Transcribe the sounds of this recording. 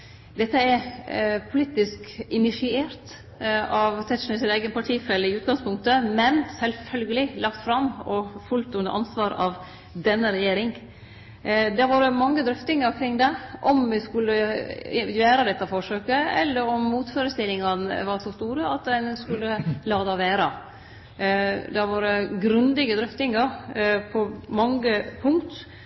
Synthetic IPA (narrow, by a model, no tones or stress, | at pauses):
d̪ɛt̪ːəɛɾpʰʊliːt̪ɪskɪnɪʂɪeːɾt̪ | ɑʋt̪ʰɛt̪ʂnəsɪnæɪɡənpʰɑʈʰiːfɛlːəɪʉːt̪ɡɑŋspʰʊŋk̚t̪əmɛnsɛlfœlɡəlɪlɑkt̪fɾɑmːɔfʉlt̪ʉnd̪ə̰ɾʔɑ̰nsʋɑːɾɑʋ | d̪ɛnːəɾɛjeːɾɪŋ | d̪ɛʋɑːɾəmɑŋːəd̪ɾʏft̪ɪŋəɾkʰɾɪŋːd̪ɛʔɔmʋɪskʉlːə | jøːɾəd̪ɛt̪ːɑfɔʂøːkəɛ̰lːəɾɔmːuːt̪føːɾəst̪ɪlːɪŋɑnəʋɑɾʂɔst̪uːɾəɑt̪d̪ɛnskʉlːəlɑːd̪ɑʋæːɾɑ | d̪ɛʋɑːɾəɡɾʉnd̪ɪɡəd̪ɾʏft̪ɪŋɑɾpʰɔmɑŋəpʰʊŋkt̪